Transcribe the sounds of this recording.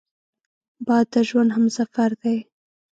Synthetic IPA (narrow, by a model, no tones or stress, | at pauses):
bɑd̪ːəʒwand̪ɦamsafaɾd̪aj